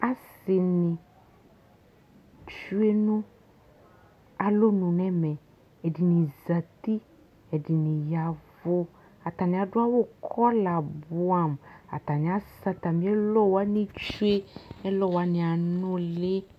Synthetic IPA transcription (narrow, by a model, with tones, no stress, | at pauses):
a˦si˨nĩ˨ | t͡ʃu˦e˦nũ˦ | a˨lo˦nũ˨nɛ̃˦mɛ˨ | ɛ˨di˨nĩ˨za˨t̪i˦ | ɛ˨di˨nĩ˨ja˨vo˦ | a˨t̪a˨nĩ˨a˨ɖʊ˦a˦wo˦kʰɔ˦la˨bu˦a˨m˨a̰˨t̪a˨nĩ˨a˦sa˦t̪a˨mĩ˦ɛ˦lɔ˦wa˦nĩ˦t͡ʃu˦e˦ɛ˦lɔ˦wa˨˦nĩ˨a˨nɔ̃˦le˦